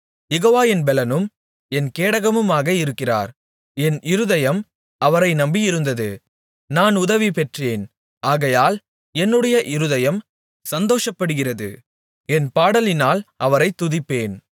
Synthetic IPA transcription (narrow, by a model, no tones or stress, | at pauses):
jɛɣoːʋaːjɪnbɛlɐnɯm | ɛnkeːɽɐɣɐmɯmaːɣɐɪɾɯkːɪra̰ːɾ | ɛnɪɾɯðɐjɐm | ɐʋɐɾɐɪnɐmbijɪɾɯnd̪ɐðɯ | naːnʊðɐʋipɛʈreːn | ʔaːɣɐjaːl | ɛnːɯɽɐjɐʔɪɾɯðɐjɐm | sɐnd̪oːʂɐpːɐɽɯɣɪrɐðɯ̰ | ɛnpaːɽɐlɪnaːlʔɐʋɐɾɐɪt̪ːʊðɪpːeːn